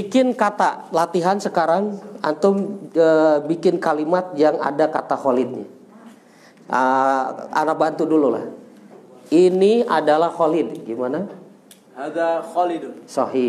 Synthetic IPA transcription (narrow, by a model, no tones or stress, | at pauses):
bikɪnkat̪alat̪iɦansəkaɾaŋa̰nt̪ʊməbikɪnkalimat̪̚jaŋa̰daka̰t̪aholɪd̪̚ɲa̰ | ə | a̰nak̚bant̪udulula̰h | inia̰dalahholɪdɡimana | daholidsɔɦi